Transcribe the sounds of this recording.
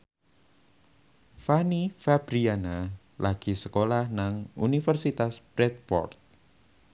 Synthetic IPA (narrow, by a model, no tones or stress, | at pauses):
fanifab̥ɾiana | laɡ̥i̤səkolahnaŋṵnifərsit̪aspɾɛt̪̚fɔ̰rt̪̚